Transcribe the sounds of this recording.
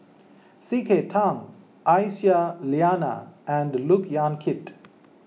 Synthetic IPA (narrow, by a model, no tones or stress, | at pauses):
sikʰetʰãŋ | ʔajsjaliaːna̰ɛ̃ɳɖlukjãnkʰɪt